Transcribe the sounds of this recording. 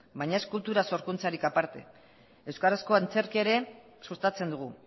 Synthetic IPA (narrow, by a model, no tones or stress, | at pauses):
bajɲae̞skult̪uɾaso̞ɾkunt͡saɾikapaɾt̪e̞ | e̞wskaɾasko̞ant͡se̞ɾkeeɾe̞ | sust̪at͡se̞nd̪uɣ̞u